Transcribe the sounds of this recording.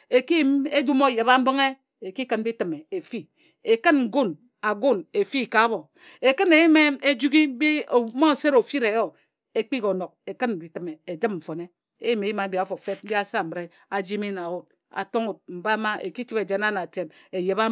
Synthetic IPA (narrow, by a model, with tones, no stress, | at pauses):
e˨ki˦me˦d͡ʒu˦mo˦˨je˨βa˦m̩˦bo˦ŋe˦ | e˨ki˦kɨ˨n̩˦bi˦tɨ˨me˨e˨fi˦ | e˨kɨ˦n̩˨ɡo˦n | a˨ɡo˦˨ne˨fi˦˨ka˨˦bo˨ | e˨kɨ˦ne˨ji˦me˦e˦d͡ʒu˦ɡi˦bi˦o˨˦mo˦˨se˦ɾo˨fi˦ɾe˨jo˦ | e˦k͡pi˦ko˨no˨k̚e˨kɨ˦n˨bi˨tɨ˨me˨e˨d͡ʒɨ˦mm̩˨fo˨ne˦ | e˦jme˨ji˦ma˨˦bi˨a˨fo˨fe˦t̩̚˦bi˦a˦sa˦˨mɨ˨ɾe˦ | a˨d͡ʒi˦mi˦na˨wo˦t̚ | a̰˨to˦ŋo˨t̚m̩˨ba˦ma˦ʔḛ˨ki˦t͡ʃi˦be˨d͡ʒe˨na˦na˨te˨me˨je˨βa˦